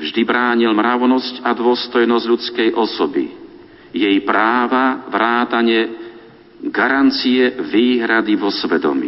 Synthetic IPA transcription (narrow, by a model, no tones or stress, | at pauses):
vʒd̪ibɾaːɲilmɾaʊnɔscad̪ʊɔst̪ɔjnɔzɟʎut͡skɛjʔɔsɔbḭ | jɛjpɾaːʋaʋɾaːt̪aɲɛ | ɡaɾant͡sijɛʋiːɦɾad̪iʋɔsʋɛd̪ɔ̰mḭ